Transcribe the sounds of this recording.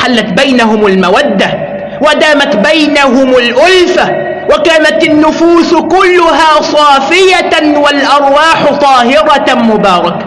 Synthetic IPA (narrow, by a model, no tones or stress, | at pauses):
ħalːat̪bajnaɦʊmalmawad̪ːa | wad̪aːmat̪bajnaɦʊmalʔʊlfa | wakaːnat̪ɪnːʊfuːskʊlːʊɦaːsˤɑːfɪjawalʔɑɾˤwɑːħt̪ˤɑːɦɪɾɑmʊbɑːɾˤɑk